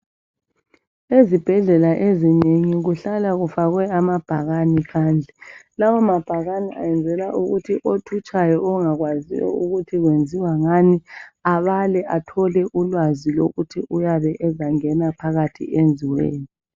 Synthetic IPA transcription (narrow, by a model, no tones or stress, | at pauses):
ezib̥ʱɛɮɛlaʔezineŋiɣuɬalaɣufaɣwɛamab̥ʱaɣanikʰaːnd͡ɮʱɛlawɔmab̥ʱaɣaniʔa̰jɛnd͡zʱɛlaʔuɣutʰiʔotʰut͡ʃʼajɔɔŋaɣwazḭjɔ̰uɣutʰiɣwend͡zʱiwaŋaniaβalɛʔatʰɔlɛʔulwazilo̰ɣutʰiʔujaβɛʔɛzaŋɛnapʰaɣatʰḭend͡zʱiwḛːni